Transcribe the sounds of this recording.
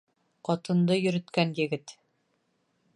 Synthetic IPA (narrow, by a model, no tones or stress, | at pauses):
qɒt̪ɤ̆nd̪ɤjɵ̆ɾɵ̆t̪kænjɘ̆ɡɘt̪